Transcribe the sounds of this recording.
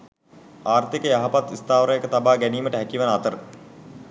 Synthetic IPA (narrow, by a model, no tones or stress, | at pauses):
aːrt̪ikəjaɦapat̪ist̪aːʋəɾəjekət̪abaːɡæniːməʈəɦækiʋanat̪əɾə